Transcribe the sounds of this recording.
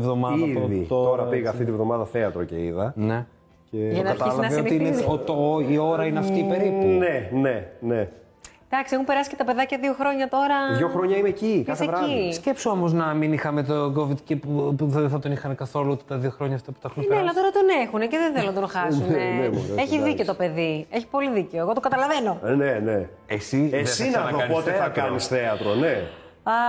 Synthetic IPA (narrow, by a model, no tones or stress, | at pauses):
vðo̞mɐiɐoðit̪oɾɐpiɣɐɐft̪it̪ivðo̞mɐðɐθeɐt̪ɾoce̞̰iðɐne̞ | ceʝɐnɐɐɐt̪slɐnɐot̪iineot̪io̞ɾɐineɐft̪iːpeɾipunenene | d̪ɐksiexumpe̞ɾɐsi̥cet̪ɐpe̞ðɐcɐðioxɾo̞ɲɐt̪o̞ɾɐðʝoxɾoɲɐinecikɐsevɾɐisce̞psoomo̞znɐminixɐme̞t̪oɡo̞vid̪cepuuðθɐt̪o̞nixɐmekɐθo̞luot̪e̥t̪ɐðioxɾo̞ɲɐːft̪ɐpu̥t̪ɐxunneɐlɐt̪o̞ɾɐt̪o̞nexuneceðenθelonɐt̪onxɐsuneeeçiðiceo̞t̪o̞pe̞ðieçi̥po̞liðiceoeɣo̞t̪oɡɐt̪ɐlɐve̞no̞nene | esieðesinɐɐoɐnpot̪eɐkɐnisθeɐt̪ɾone | ɐ